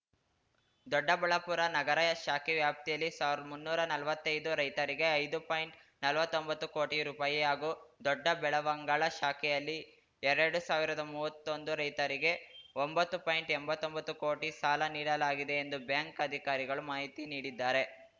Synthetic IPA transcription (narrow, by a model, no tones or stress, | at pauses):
d̪ɔɖːɐbɐɭɐpuːɾɐnɐɡɐɾɐjɐʃaːkɛʋjaːp̚t̪ijɐlːisaːʋiɾd̪ɐmunːuːɾɐnɐlʋɐt̪ːɐjd̪uɾɐjt̪ɐɾiɡe̞ɐjd̪upaːjɳʈ | nɐlʋɐt̪ːombɐt̪ːuko̞ːʈiɾuːpaːjiaːɡuːd̪ɔɖːɐbɛɭɐʋɐŋɡaːɭɐʃaːkɛjɐlːi | ɛɾɐɾɽusaːʋiɾɐd̪ɐmuːʋɐt̪ːo̞nd̪uɾɐjt̪ɐɾiɡe̞ombɐt̪ːupaːjɳʈɛmbɐt̪ːombɐt̪ːuko̞ːʈisaːlɐniːɽɐlaːɡid̪e̞ːnd̪ubjaːŋkɐd̪ʱikaːɾiɡɐɭumaːɦit̪iniːɽid̪ːaːɾe̞